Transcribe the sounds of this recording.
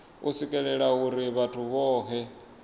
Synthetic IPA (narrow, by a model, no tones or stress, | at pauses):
usikʼɛɺɛɺauɾiβatʰuβɔːɦɛ